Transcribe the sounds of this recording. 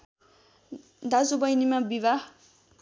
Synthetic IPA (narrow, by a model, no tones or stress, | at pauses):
d̪ad͡zubʌjnimabiβa